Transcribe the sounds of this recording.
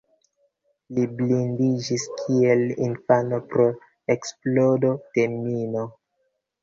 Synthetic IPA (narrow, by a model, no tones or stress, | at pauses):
liblindid͡ʒiskʰie̞lḭnfano̞pɾo̞ | eksplo̞do̞te̞mino̞